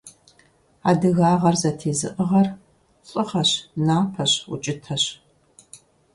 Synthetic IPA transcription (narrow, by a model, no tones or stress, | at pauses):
a̰ːdɨɣaːʁɐrzɐtʰeːzɨ̰ʔəʁɐr | ɕʼɨχɐɕnaːpʰɐɕʊ̰t͡ʃʼɪtʰɐɕ